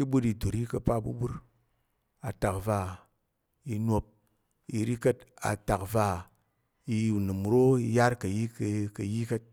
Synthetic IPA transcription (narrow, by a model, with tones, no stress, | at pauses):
ki˦bu˦di˧du˨ɾi˦kɐ˧pa˦bṵ˦bu˦ɾ | a˨ta˨kva˧ | i˧no˧p̚ | i˧ɾi˦kə˦ta̰˨ta˨kva˧˨ | i˧˨nɨ˨m˨ɾo˦i˧ja˦ɾkɐ˨ji˦kkɐ˨ji˦kə˦t̚